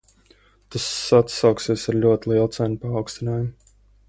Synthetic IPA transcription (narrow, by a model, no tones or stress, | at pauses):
t̪asːat̪sawksiɛsaɾlʲuɔt̪ilˠiɛlˠt̪sænpaːwkst̪inaːjum